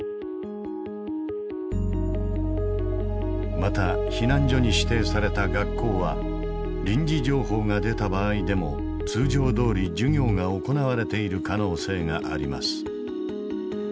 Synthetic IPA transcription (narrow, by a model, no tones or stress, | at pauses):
mat̪açinãɲ̟d͡ʑo̞ɲ̟iɕi̥t̪e̞ːsaɾe̞t̪aɡakːo̞ːβa̰ | ɾʲĩɲ̟d͡ʑid͡ʑo̞ːɦo̞ːŋad̪e̞t̪abaːid̪e̞mo̞̰ | t͡sɨːʑo̞ːd̪o̞ːɾʲid͡ʑɨŋʲo̞ːɡaoko̞naβaɾe̞t̪e̞iɾɯ̟kano̞ːse̞ːŋaʔa̰ɾʲima̰sɨ̥